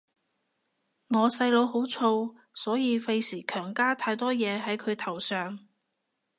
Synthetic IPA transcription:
ŋɔː˨˧sɐ˧jlo˨˧wɦo˨˥wt͡ʃʰo˧w | sɔː˨˥jiː˨˧fe˧jsiː˨˩kʰœː˨˩ŋkaː˥t̪ʰaː˧jt̪ɔː˥jɛː˨˧ɦɐ˨˥jkʰɵ˨˧ɥt̪ʰɐ˨˩wsœː˨ŋ

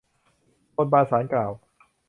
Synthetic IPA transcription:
ko˧t̪̚baː˧saː˩˦nklaː˨˩w

